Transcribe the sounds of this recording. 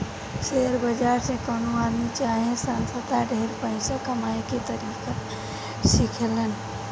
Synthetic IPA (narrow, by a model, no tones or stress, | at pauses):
seɾbəd͡ʒaɾsẽkənoad̪mit͡ʃaɦẽsansəd̪aɖʱeɾpəɪsakəmaeket̪əɾika | sikʰelən